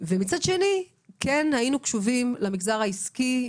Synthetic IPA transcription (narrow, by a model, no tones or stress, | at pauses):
vemit͡sadʃe̞ni | kenhainukʃuvimlamiɡzaʁaiski